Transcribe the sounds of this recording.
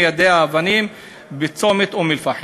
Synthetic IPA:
jad̪eaːvanim | bet͡somet̪umilfaħ

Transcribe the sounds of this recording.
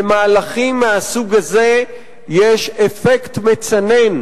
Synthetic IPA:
emaːlaχimːeasuɡaze̞ | jeʃefektmet͡sane̞n

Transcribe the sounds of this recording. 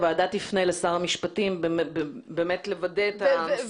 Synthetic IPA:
veadatlifnejlesaʁamiʃpatimbebebe̞ːmet̪le̞vadeta

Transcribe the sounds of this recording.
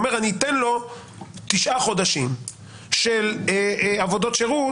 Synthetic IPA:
me̞ʁanit̪enlo̞ | t̪iʃʔaχo̞d̪aʃim | ʃel | avo̞d̪o̞tʃeʁu

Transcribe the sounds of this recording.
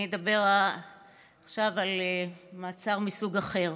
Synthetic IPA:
ed̪abe̞ʁ | aχʃavalmaːt͡saʁmisuɡaχe̞ʁ

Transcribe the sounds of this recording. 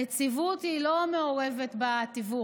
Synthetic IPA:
et͡sivut̪ilo̞meoʁe̞vet̪bat̪ivu

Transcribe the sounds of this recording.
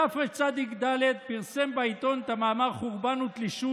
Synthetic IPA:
afʁet͡sad̪ikd̪aled̪piʁsembait̪o̞nt̪amaːmaʁχuʁbanut̪liʃu

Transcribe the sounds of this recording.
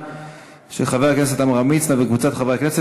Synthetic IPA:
ʃeχaveaknes̬et̪amʁamit͡snavekvut͡sat̪χaveaknese

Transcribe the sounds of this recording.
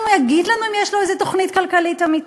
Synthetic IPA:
mujaɡid̪lanuimjeʃloezet̪o̞χnitkalkalit̪amit

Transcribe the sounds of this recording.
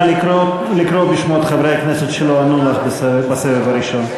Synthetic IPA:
li | likɾobiʃmot̪χavɾejakneset̪ʃeloanoaχbsbasevevaɾiʃo̞n

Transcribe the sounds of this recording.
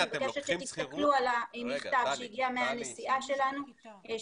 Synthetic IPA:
bakeʃet̪ʃet̪ist̪aklualaniχt̪avʃejiɡiameane̞siʔaʃe̞lanu

